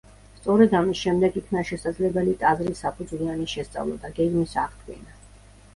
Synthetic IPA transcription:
st̪sʼɔɾɛd̪amisʃɛmd̪ɛɡikʰnaʃɛsad̪zlɛbɛlit̪ʼazɾisapʰud̪zlianiʃɛst̪sʼa̰vlˠɔ̰d̪aɡɛɡmisaʁd̪ʰɡḭna

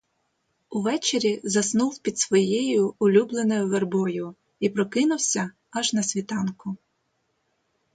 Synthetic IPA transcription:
ʊʋɛt͡ʃeɾʲizɐsnuwpʲid̪sʋɔjejʊːlʲublˠenɔjʊʋerbɔjʊ | ipɾɔkɪnʊwsʲɐ | ɐʒnɐsʲʋʲit̪ɑnkʊ

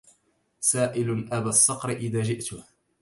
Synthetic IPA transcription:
saːʔɪlʔabaːsˤːɑqɾʔɪðaːd͡ʒɪʔt̪ʊh

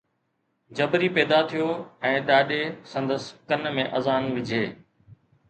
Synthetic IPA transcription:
d͡ʑɐbɾiːpɛːd̪at̪ʰijoːɛ̃ːɗaːɗeːsɐ̃nd̪əskɐnmẽʔɐzaːnʋɪd͡ʑʱeː

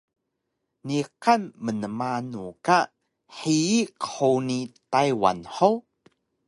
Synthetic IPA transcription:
niqanmənəmanuka | ħiːkə̥ħunitajwa̰nħow

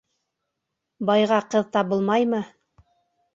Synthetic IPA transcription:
bɑjʁɑqɤðt̪ɑbɤlˠmɑjmɤ

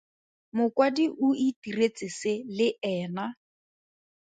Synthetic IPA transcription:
mʊkwadiʔuitiret͡sʼɪselɪɛːna

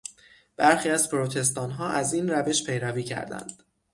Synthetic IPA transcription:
b̥æɾxiːæzpʰɾot̪ʰe̞s̬t̪ɒːnɦɒːʔæziːnɾæve̞ʃpʰe̞jɾæviːcʰæ̰ɾd̪æ̰nd̪̥

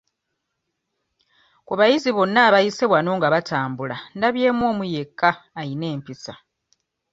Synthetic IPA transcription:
kuβajiziβo̞nːaːβajiseβwano̞ːŋɡaβatʰaːmbulandaβje̞ːmwo̞ːmuje̞kːaːine̞ːmpisa

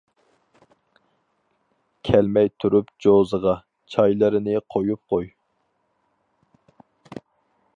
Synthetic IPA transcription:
kʲʰɛlmɛjt̪ʰuɾupd͡ʒozəʁɑ | t͡ʃʰɑjlˠɨɾɨnɪqʰojup̚qʰoj

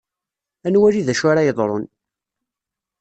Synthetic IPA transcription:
ænwæliðæʃaɾajəðˤɾˤo̰n

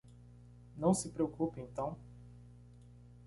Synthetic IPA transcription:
nɐ̃w̃sɪpɾeokupẽt̪ɐ̃w̃

